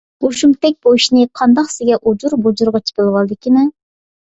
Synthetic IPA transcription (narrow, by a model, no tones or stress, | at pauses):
boʃumt̪ɛk̚ʲboiʃinɨqʰɑnd̪ɑqsɪɡʲɛʔud͡ʒuɾbud͡ʒuɾʁɑt͡ʃʰi̥pʲɨlˠɨwɑlˠɨd̪ɪkʲimɪ